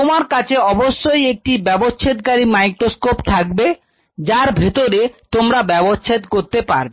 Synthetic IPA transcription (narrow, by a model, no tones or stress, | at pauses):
t̪omaɾkat͡ɕʰeɔboʃːojek̚ʈibɛbost͡ʃʰet̪̚kaɾimajkɾoskopt̪ʰakbe | d͡ʑaɾbʱet̪oɾet̪omɾabɛbost͡ɕʰet̪koɾt̪epa̰ɾbe